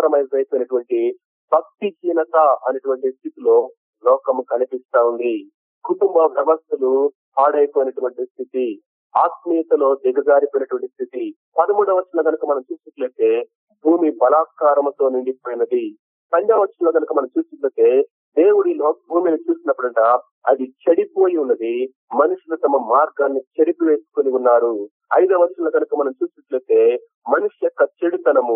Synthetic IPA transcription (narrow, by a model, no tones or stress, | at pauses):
ɾɐmɐjzɐjpoːjnɐʈuʋɐɳʈi | bɐk̚t̪id͡ʒiːnɐkɐɐnɐʈuʋɐɳʈist̪ʰit̪ilo̞ː | lɔːkɐmkɐnipist̪aːund̪i | kuʈumbɐpɾɐʋɐst̪ɐlu | paːɽɐjpoːjnɐʈuʋɐɳʈist̪ʰit̪i | aːkmiːt̪ɐlo̞ːd̪iɡɐd͡ʒaːɾipojinɐʈuʋɐɳʈist̪ʰit̪i | pɐd̪ɐmuːɽɐʋɐt͡ʃːɐnlɐːɡɐnukɐmɐnɐmt͡ʃuːsuʈlɐːt̪e̞ː | bʱuːmibɐlaːkaːɾɐmɐt̪o̞ːniɳɖipoːjinɐd̪i | p̪ɐɲd͡ʒaːʋɐɾʂɐnlɐːɡɐnukɐmɐnɐmt͡ʃuːsnɐʈlɐt̪e̞ː | d̪e̞ːwuɽilo̞ːbʱuːminit͡ʃuːsinɐpːuɽɐɳʈɐ | ɐ̰d̪it͡ʃeɽipo̞ːjiunːɐd̪i | mɐnuʂulut̪ɐmɐmaːɾɡaːnːit͡ʃeɽipiʋeːsu̥koniunːaːɾu | ɐjd̪ɐʋɐɾʂɐnlɐɡɐnukɐmɐnɐmt͡ʃuːsnɐʈlɐːt̪e̞ː | mɐnuʂujɔkːɐt͡ʃeɽit̪ɐnɐmu